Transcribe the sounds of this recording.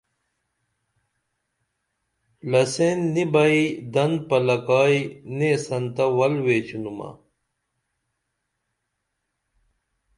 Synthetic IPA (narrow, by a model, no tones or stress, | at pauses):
lɐsenːibɐid̪ɐnpɐlɐkaːinesɐnt̪ɐwɐlweːt͡ɕunumɐ̰